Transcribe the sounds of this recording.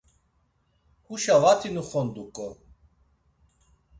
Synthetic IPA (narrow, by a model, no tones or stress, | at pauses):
huʃavat̪ʰinuχɔnd̪ukʼɔ